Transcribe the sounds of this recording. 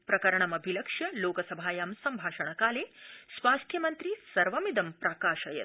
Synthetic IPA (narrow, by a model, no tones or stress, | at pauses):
pɾɐkɐɾɐɳɐmɐbʱilɐkʂjɐloːkɐsɐbʱaːjaːmsɐmbʱaːʃɐɳ̃ɐkaːleːsʋaːst̪ʰjɐmɐnt̪ɾisɐɾʋɐmid̪ɐmpɾaːkaːʃɐjɐ̰t̪